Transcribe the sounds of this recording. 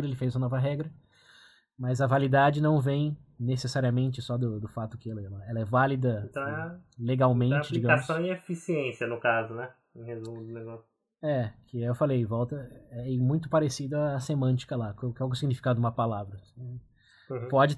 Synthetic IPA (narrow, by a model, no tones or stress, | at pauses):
ɾɐelɪfejzumɐnɔvɐɦɛɡɾɐ | mɐzɐvalid̪ad͡ʒɪnɐ̃w̃vẽj̃nesesaɾiɐmẽnt͡ʃɪsɔd̪ʊd̪ʊfat̪ʊkɪɛlɐɛlɐɛlɐɛvalid̪ɐ̃t̪ɐ̃w̃ɛleɡawmẽnat͡ʃɪd͡ʒiɡɐamsɐ̃w̃iefisiẽsiɐnʊkazʊnɛ | ẽhezũmd̪ʊneɡɔsʊ | ɛkʰɪewfalejvɔwt̪ɐɛɛmũj̃t̪̬ʊpaɾesid̪ɐːsemɐ̃nt͡ʃi̥kɐlaaʊkɪawɡʊsiɡnifi̥kad̪ʊũmɐpalavɾɐsɛ̃ | pɔd͡ʒɪ